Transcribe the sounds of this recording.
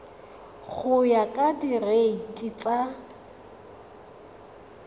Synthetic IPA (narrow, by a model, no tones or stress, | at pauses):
χʊjakʼadireitʼɪt͡sʼa